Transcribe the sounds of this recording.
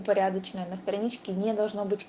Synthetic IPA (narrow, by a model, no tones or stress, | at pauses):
pɐɾʲad̪ət͡ɕnəjənɐst̪ɾɐnʲit͡ɕkʲɪnʲɛd̪ɐlˠʐnobɨtʲ